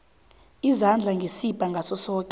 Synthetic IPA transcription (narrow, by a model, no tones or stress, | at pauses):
izand͡ɮʱaŋɡʱesipʼaŋɡʱasɔsɔːkʼɛ